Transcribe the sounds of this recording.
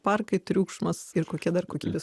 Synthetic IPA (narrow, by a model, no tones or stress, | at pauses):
pɐrkɐɪt̪ʲɾʲuːkʃmɐsɪɾkoːkʲiɛd̪ɐrkoːkʲiːbʲeːs